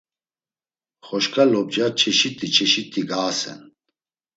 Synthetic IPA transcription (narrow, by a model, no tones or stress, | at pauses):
χɔʃkʰʼalɔb̚d͡ʒat͡ʃʰɛʃit̪ʼit͡ʃʰɛʃit̪ʰʼiɡaːsɛ̰n